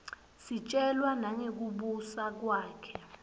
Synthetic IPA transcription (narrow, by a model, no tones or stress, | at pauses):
sit͡ʃʼɛlwanaŋek̬uɓusak̬waːkʰɛ̥